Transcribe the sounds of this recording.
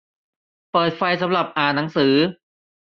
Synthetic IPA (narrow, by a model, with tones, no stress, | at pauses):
pɤː˨˩t̪̚fa˧jsa˩˦mɾa˨˩p̚ʔaː˨˩na˩˦ŋsɯː˩˦